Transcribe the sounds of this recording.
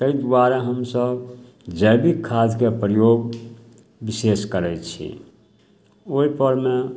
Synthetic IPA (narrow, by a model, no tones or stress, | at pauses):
t̪əid̪uwaɾeɦəmsəb | d͡ʒəjbikʰːad͡ʒkepɾəjoɡ | biseskəɾɛt͡ʃʰḭ | oipəɾme